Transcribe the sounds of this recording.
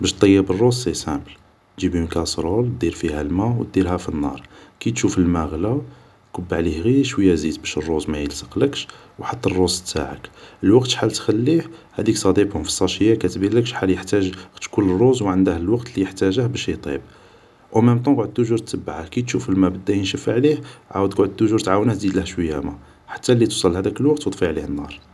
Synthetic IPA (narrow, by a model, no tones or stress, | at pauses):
bæʃt̪ˤːɑjːəbərˤːossesæbl | ʒibimkæsˤɾˤol̚d̪iɾfihælmæwt̪̚d̪iɾhæfinːɑ̰ɾˤkit̪ʃufəlmæɣla | kəbːʕlihɣiʃwəjːæzid̪bæʃərˤːozmæjəlsə̥qləkʃ | wħɑt̪ˤːərˤːost̪ːa̰ʕə̰kəlwɑqt̪ħalt̪xælːiħhæ̰d̪iksˤɑd̪ibhʊmfi̥sˤːɑʃəjːækæt̪bilːəkʃħaljəħt̪æʒxt̪kʊlːrˤːozwʕənd̪æhləlwɑqt̪lijəħt̪æʒəhbæʃit̪ˤḭb̚ | ʔæmæmt̪ˤɑ̃ɡʕəd̪̚t̪ːʊʒuɾt̪ːəbːʕahkit̪ʃufəlmæbəd̪ːæjənʃəfʕlihʕa̰wəd̪qʕəd̪̚t̪ːʊʒuɾt̪ʕawnəh̪d̪id̪ləhʃwəjːæmæ | ħḁt̪ːælːit̪usˤɑlːhæd̪ækəlwɑqt̪wd̪ˤfiʕlihənːɑɾˤ